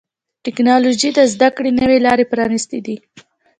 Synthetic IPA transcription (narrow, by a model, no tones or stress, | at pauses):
ʈɪknɑlod͡ʒid̪əzd̪akɽenəwelɑɾepɾɑnist̪ed̪i